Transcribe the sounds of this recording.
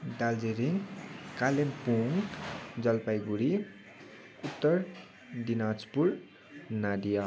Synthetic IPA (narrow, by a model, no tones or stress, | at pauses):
dald͡zeɾiŋkalempuŋkd͡zʌlpajɡuɾi | ut̪ːʌr | dinad͡zpuɾ | nadija